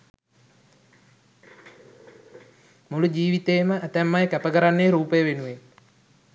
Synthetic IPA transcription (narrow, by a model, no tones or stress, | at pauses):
mulud͡ʒiːʋit̪eːməʔæt̪æmːajkæpəkəɾanːeːɾuːpəjəʋenuʋe